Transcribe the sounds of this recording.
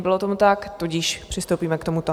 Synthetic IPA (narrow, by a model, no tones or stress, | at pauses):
bɪlot̪omut̪akt̪uɟɪʃpr̝̥ɪst̪owpiːmɛkt̪o̞mut̪o